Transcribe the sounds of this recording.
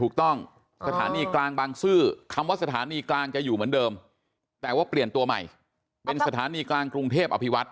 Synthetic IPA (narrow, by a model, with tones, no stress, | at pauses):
uː˨˩k̚t̪ɔ˥˩ŋ | sa˧t̪ʰaː˩˦niː˧klaː˧ŋbaː˧ŋsɯː˥˩kʰa˧mwaː˥˩sa˧t̪ʰa̰ː˨˦niː˧klaː˧ŋt͡ɕa˨˩juː˨˩mɯ˩˦əndɤː˧m | t̪ɛː˨˩waː˥˩pli˨˩ənt̪u˧ɐma̰˨˩j | pe˧nssa˧t̪ʰaː˩˦niː˧klaː˧ŋkɾu˧ŋt̪ʰeː˥˩p̚ʔa˧pʰi˦˥wa˦˥t̪̚